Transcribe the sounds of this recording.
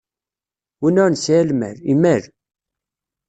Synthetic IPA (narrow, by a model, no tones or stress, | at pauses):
winʊɾnsælmæ̰ɾimæɾ